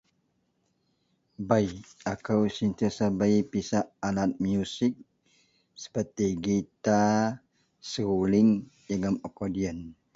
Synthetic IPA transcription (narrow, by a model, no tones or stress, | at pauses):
bajakawsint̪iasabajpisaʔalat̪̚miusɪk̚ | sə̥pərt̪iɡit̪a | suliŋjəɡəmɔkodiən